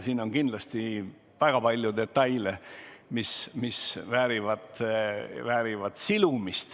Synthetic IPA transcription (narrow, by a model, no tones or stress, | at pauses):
siːno̞ŋɡind̥̪lɑst̪i | væɡ̥ɑpɑlʲjud̪e̞t̪ːɑjlemismisvæːɾivɑt̪ | væːɾivɑt̪silumist̪